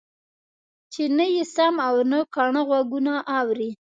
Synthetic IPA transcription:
t͡ʃenəjesamawnəkaɳəɣwaɡunaʔːwɾi

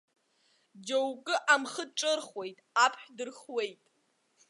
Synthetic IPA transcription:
d͡ʒowkʼɨʔamχəʈ͡ʂʼɨrχwe̞jtʼapʰħdɨrχwejtʼ

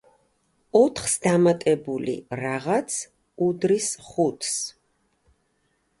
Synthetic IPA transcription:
ɔt̪ʰχsd̪amat̪ʼɛbulḭɾaʁat̪sʰ | ud̪ɾisχut̪ʰs

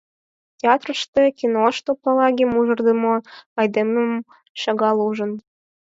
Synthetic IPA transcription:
tʲeɑt̪rəʃt̪ĕkʲinoʃt̪opɑlˠɑɡʲemuʒɤ̆rd̪əmoɑjd̪eməm | ʃɑɣɑlˠuʒə̆n

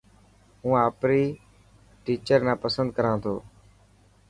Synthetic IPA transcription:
ɦũːaːpɾiː | ʈiːt͡ʃəɾnãːpəsə̃nd̪̚kəɾãːt̪ʰoː

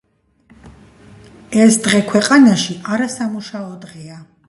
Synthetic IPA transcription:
ɛsd̪ʁɛkʰwɛqʼanaʃiʔaɾasamuʃaɔd̪ʁɛa

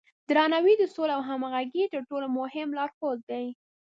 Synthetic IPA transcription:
d̪ɾɑnawid̪əsoleawɦamaɣaɡit̪əɾʈolomʊhɪmlɑɾxod̪̚d̪aj

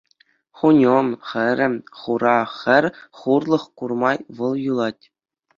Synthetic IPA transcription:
χunʲomχɘ̆ɾʲɘ̆mχuɾɑχʲɘ̆rʲχurlˠɤ̆χkurmɑjʋɤ̆lˠjulˠɑtʲ

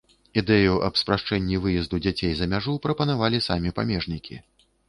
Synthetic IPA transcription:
id̪ɛjuʔɐpspɾaʂt͡ʂɛnʲːivɨjɛzd̪ud͡zʲat͡sʲejzɐmʲaʐupɾɐpɐnavalʲisamʲipa̰mʲɛʐnʲikʲʰḭ

